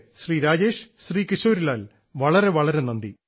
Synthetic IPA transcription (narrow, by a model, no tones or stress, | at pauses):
ɕriːɾaːd͡ʑeːʂɕriːkiɕoːɾilaːl | ʋɐɭɐɾe̞ʋɐɭɐɾe̞nɐnd̪i